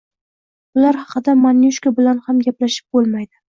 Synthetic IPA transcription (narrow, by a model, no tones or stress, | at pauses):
bʊlaɾhɑqɨd̪amanjuʃkabɪlanhamɡʲaplaʃɪ̥p̚bolˠmajd̪ɪ